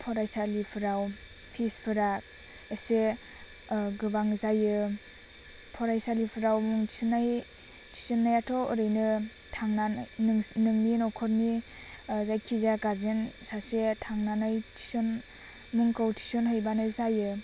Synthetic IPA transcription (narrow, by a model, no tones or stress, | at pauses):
pʰɔɾajsalipʰɯɾaw | pʰispʰɯɾak̚ | ese | ɡɯbaŋzajɯ | pʰɔɾajsalipʰɯɾawmuŋsʰɯnaj | tʰi̥sɔnːajatʰɔɯɾɯjnɯ | tʰaŋnanjnɯŋninɔkʰɔɾni | zajkʰizaɡaɾzensasetʰaŋnanajtʰi̥sɔn | muŋkawtʰi̥sɔnɦajbanɯzajɯ